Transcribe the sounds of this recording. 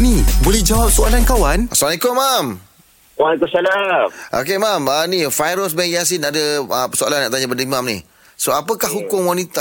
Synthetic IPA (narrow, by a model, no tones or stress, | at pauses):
nibolɛhd͡ʒawap̚soalankawanʔaslamalekʊmːam | walikʊmsalamʔo̰k̬emamənifajɾosbɛŋjas̬inadəəpəsoa̰lanːaʔt̪aɲabəndaimamnḭh | soapəkahɦukʊŋwanit̪a